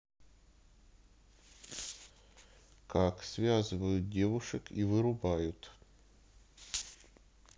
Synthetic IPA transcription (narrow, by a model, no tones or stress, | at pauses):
kaksvʲazɨvəjʊt̪̚dʲe̞vʊʂɨkivɨɾʊbajʊt̪